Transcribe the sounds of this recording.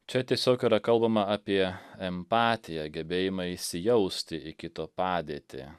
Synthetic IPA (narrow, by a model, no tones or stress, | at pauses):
t͡ʃʲɛt̪ʲiɛsʲoːkiːɾɐkɐlˠbɐmɐɑːpʲiɛɛmpɑːt̪ʲɪjɛɡʲɛbʲeːjɪmɐɪsʲɪjɛʊsʲt̪ʲɪʔɪkʲɪt̪oːpɑːd̪ʲiːt̪ʲɪ̰